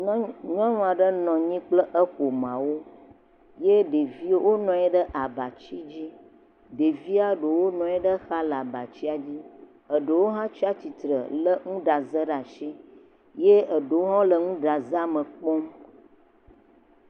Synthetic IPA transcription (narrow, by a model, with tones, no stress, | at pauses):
ɲ˦ɔ̃˦ŋɔ̃˦˨a˨ɖə˦nɔ̃˨ɲĩ˦k͡plə˦ʔə˦ɸo˨mã˨wo˦ | je˦ɖe˨vi˦o˦wo˦nɔ̃˨ɛ˦ɖə˦ʔa˨ba˨t͡ɕi˦d͡ʑi˦ | ɖe˨vi˦a˦ɖə˨wo˦nɔ̃˨ɛ˦ɖə˦xa˦la˨ba˨t͡ɕi˦a˨d͡ʑi˦ | ə˨ɖə˨wo˦ɦã˦t͡ʃi˦a˦t͡ɕi˨t̪ɾə̰˨lə˦ŋũ˦ɖa˨zə˦ɖa˨ʃi˦ | je˦ə˨ɖə˨wo˦ɦɔ̃˦lə˨ŋũ˦ɖa˨za˦mə̃˨k͡pɔ˦m